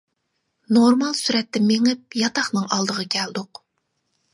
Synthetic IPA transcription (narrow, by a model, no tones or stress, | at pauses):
noɾmɑlˠsyɾɛt̪ːɪmeŋɪp̚jɑt̪ɑχnɨŋɑlˠd̪əʁɑkʲʰɛld̪ʊq